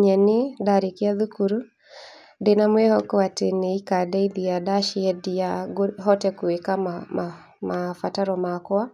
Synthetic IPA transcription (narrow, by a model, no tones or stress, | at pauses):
ɲɛnedaɾekeaðukuɾu | denamwɛhɔkɔatenɛikadaiðiadaʃiɛdiaɡoɦɔtɛkwekamama | mafataɾɔmakwa